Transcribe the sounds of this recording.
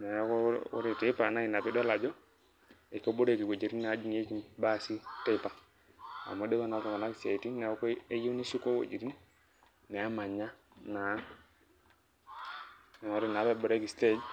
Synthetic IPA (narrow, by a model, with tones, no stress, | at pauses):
nɛ˨jkɔ˦ʊ̰˦ɾi˨te˦pa˨na˦ɪ˨na˨pi˦dɔ˦la˨d͡ʒɔ˦ | e˨kɔ˦bo˦ɾe˦˨ki˨ko˨d͡ʒi˨ɾi˦nna˨˦d͡ʒi˦ŋe˦ki˦mba˦˨si˦te˦pa˨ | a̰˨mɔ˦de˦ka˦na˨kɔ˨ka˨na˦kse˨ti˦nɛ˨˦ke˦ji˦ni˦si˦ko˦ko̰˨d͡ʒi˨ɾi˦n | nɛ˨a˦ma˨ɲa˦na˨˦˨ | ɔ˨ɾi˨na˨˦bɛ˦bʊ˨ɾe˦ki˨ste˦d͡ʒ